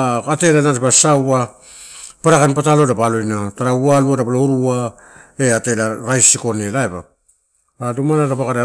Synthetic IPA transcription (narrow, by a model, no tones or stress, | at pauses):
kate̞lanatpasawa | paɾakanpatalo̞dapalo̞jnataɾaualuadapaloɾua | e̞ate̞laɾajsiko̞ne̞laeba̰ | adumanadapakaɾe